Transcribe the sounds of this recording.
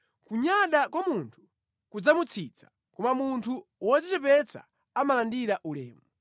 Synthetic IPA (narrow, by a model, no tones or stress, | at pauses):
kuɲaɗakwamuntʰu̥ | kud͡zamut͡sʰit͡sʰḁ | kɔmamuntʰuwɔzit͡ʃɛpɛt͡sʰa̰ː | malandiɾaʔulɛ̰ːmu